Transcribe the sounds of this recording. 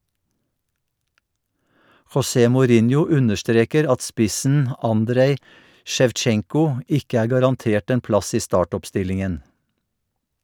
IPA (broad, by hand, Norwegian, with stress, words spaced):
xɔˈseː mʊˈɾɪnjʊ ˈʉnəʃˌtɾeːkəɾ ˈɑt ˈspɪsn̩ ˈɑndɾeɪ ˌʃɛʋˈt͡ʃɛŋkʊ ˈɪkə ˈæːɹ ɡɑɾɑnˈteːʈ ˈeːn ˈplɑs ˈiː ˈstɑːˌʈɔpˌstɪlɪŋən